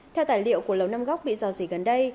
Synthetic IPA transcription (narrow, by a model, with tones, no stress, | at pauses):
t̪ʰɛ˧wt̪aː˨˩jlḭ˧˨əwku˧˩ələ˨˩wna˧mɣɔ˦˥k͡p̚ɓḭ˧˨zɔ˨˩zi˨˩ɣə˨˩nɗə˧j